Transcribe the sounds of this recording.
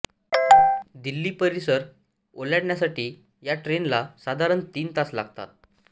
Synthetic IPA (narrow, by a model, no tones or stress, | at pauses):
d̪ilːiːpəɾisəɾ | olaɽɳjasaʈiː | jaʈɾenlasad̪ʱaɾənt̪iːnt̪asla̰ɡ̚t̪a̰t̪̚